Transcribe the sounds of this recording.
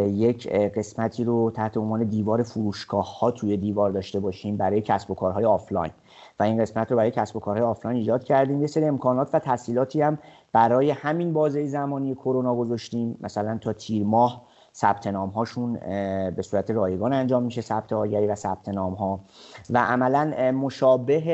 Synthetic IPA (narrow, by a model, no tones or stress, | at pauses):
jecʰɢe̞smæt̪ʰiːɾot̪ʰæht̪ʰeonvɒːne̞d̪iːvɒːɾefuɾuːʃɡɒːhːɒːt̪ʰuːje̞d̪iːvɒːɾd̪ɒːʃt̪e̞bɒːʃiːmbæɾɒːje̞cʰæsbo̞kʰɒːɾɦɒːjeɒːflɒ̰ːjn | væinɢe̞smæt̪ɾobæɾɔːjecʰæsbo̞kʰɒːɾhɒːjeːflɒːjniːd͡ʒɒːd̪̥̚cʰæɾd̪iːmjeseɾiːe̞mkʰɒːnɒːt̪ʰvæt̪ʰæsiːlɒːt̪ʰiːæm | b̥æɾɒːje̞hæminbɒːzejezæmɒːnije̞kʰo̞ɾonɒːɡo̞zɒʃt̪iːmmʔæ̰sælænt̪ʰɒːt̪ʰiːɾmɒːh | sæb̥̚t̪ʰe̞nɒːmɦɒːʃunbe̞suːɾæt̪ʰe̞ɾɒːje̞ɡɒːnænd͡ʒɒːmːiʃe̞sæb̥̚t̪ʰe̞ɒːɟæɾivæsæb̥̚t̪ʰe̞nɒːmɦɒːvæʔæmælænmoʃɒːbe̞ɦe